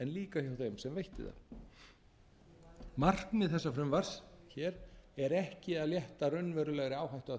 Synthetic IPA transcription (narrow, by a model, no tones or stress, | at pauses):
ɛnliːkahjawθejmsɛmvejht̪ɪ̰ða̰ | mar̥knmɪðθɛsːafɾʏmvaɾ̥sçɛːɾɛɾɛhcɪaðljɛht̪arœnːvɛɾʏlɛɣɾɪaːwɦajht̪ʏa